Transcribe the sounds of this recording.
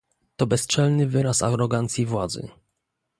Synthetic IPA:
t̪ɔbɛst͡ʂɛlnɘvɘɾasa̰ɾɔɡant̪sʲjivwad̪zɘ̰

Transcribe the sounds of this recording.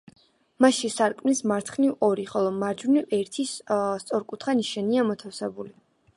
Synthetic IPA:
maʃisaɾkʼmnismaɾt̪ʰχnivɔɾiχɔlˠɔmaɾd͡ʒunivɛɾt̪ʰisst̪sʼɔɾkʼut̪ʰχaniʃaniamɔt̪ʰafsɛbuli

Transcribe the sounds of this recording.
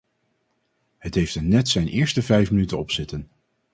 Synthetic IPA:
ɦətɦejftənːɛtsɛjnʔɪːɹstəvɛjfmənytənɔpsɪtən

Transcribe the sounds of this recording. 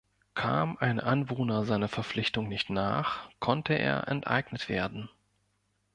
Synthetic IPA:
kʰa̰ːmʔaɪnʔanvoːnɐzaɪnɐfɛɐp͡flɪçtʊŋnɪçtna̰ːχkʰɔntʰəʔḛːɐʔɛ̰ntʔa̰ɪɡnətv̥ḛːɐdn̩

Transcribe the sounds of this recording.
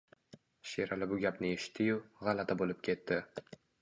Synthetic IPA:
ʃeɾalɪbʊɡʲapnɪeʃɪ̥t̪ʰːɪjʊʁalat̪ʰabolɪp̚kʲʰe̞t̪ːɪ

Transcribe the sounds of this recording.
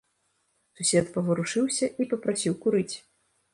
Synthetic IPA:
susʲɛt̪pɐvɨɾuʂɨwsʲɐʔipɐpɾasʲiwkuɾɨt͡sʲ

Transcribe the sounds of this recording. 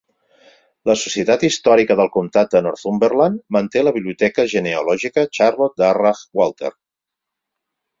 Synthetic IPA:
ləsu̥siət̪at̪ist̪ɔɾikəðəlˠkumt̪at̪̚d̪ənɔɾt̪umbərlanmənt̪eləβiβliut̪ɛkəʒəneulɔʒikət͡ʃaɾlɔt̪̚d̪arafwalˠt̪ḛɾ

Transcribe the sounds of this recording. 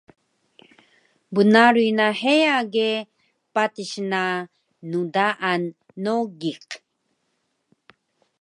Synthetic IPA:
bənaɾuinahejaɡe | patiɕnaː | udaʔanː | oɡiq

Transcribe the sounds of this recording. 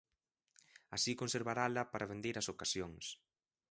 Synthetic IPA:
asikonseɾβaɾalɐpaɾʔaβ̞end̪eɾɐsokasjoŋs

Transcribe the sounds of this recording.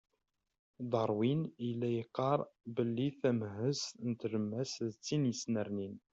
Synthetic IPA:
d̪ˤɑɾˤwiniəlːæjəqːɑɾˤbəlːiθæmhəznət̪ləmːæsðt͡sːinjəsnəɾnin

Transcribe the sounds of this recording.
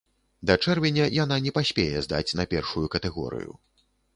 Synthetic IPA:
d̪ɐt͡ʂɛrvʲɛnʲɐjananʲɛpasʲpʲɛjɛzd̪a̰t͡sʲnɐpʲɛrʂujukɐt̪ɛɣɔ̰ɾɨ̰jṵ

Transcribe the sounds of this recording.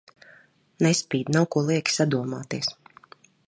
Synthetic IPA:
nɛspiːd̪nawkuɔlˠiɛkʲi̥sad̪uɔmaːt̪iɛs

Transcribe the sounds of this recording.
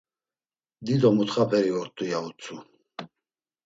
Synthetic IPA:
d̪id̪ɔmut̪χapʰɛɾiɔɾt̪ʼujaut͡sʰʼu

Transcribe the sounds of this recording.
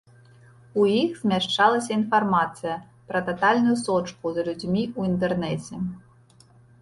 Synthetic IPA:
ujixz̥ʲmʲaʂt͡ʂalˠɐsʲɐinfarmat̪sɨjɐ | pɾɐt̪at̪alʲnʊjusɔt͡ʂkuzɐlʲud͡zʲmʲiuint̪̬ɛrnɛt͡sʲɛ

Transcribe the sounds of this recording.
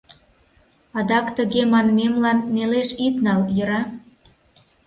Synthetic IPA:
ɑd̪ɑkt̪əɣemɑnmemlɑnːeleʃit̪nɑljə̆ɾɑ

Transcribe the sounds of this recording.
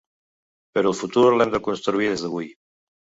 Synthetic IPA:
pəɾɔəlˠfut̪uɾlɛmd̪əkunst̪ɾuiðezðəβ̞uj

